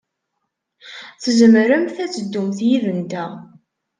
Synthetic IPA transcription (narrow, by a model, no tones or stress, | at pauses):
θəzəmɾəmθæt͡sːəd̪ːumθjivənd̪æ